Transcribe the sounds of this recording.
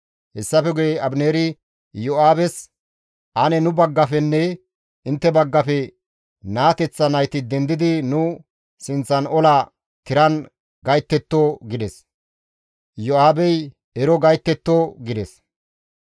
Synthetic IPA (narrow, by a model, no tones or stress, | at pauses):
hɛsːɐfɛɡʊjɛɐbneːɾɪ | jɔaːbɛs | ʔɐnɛnʊbɐɡːɐfɛnːɛ | ɪnt̪ːɛbɐɡːɐfɛ | naːt̪ɛt͡sːɐnɐjt̪ɪd̪ɛnd̪ɪd̪ɪnʊ | sɪnt͡sːɐnɔla | t̪ɪɾɐn | ɡɐjt̪ːɛt̪ːoːɡɪd̪ɛs | jɔaːbɛj | ɛɾɔɡɐjt̪ːɛt̪ːoːɡɪd̪ɛs